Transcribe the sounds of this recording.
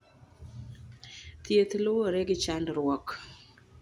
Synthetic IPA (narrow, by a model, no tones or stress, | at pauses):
t̪jet̪lowoɾɛɡɪt͡ʃandɾwɔk